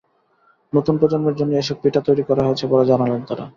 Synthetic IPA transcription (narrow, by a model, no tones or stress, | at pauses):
not̪unpɾod͡ʑonmeɾd͡ʑonːoeʃok̚piʈat̪ojɾikɔɾaɦoet͡ɕʰebɔɾed͡ʑanalent̪aɾa̰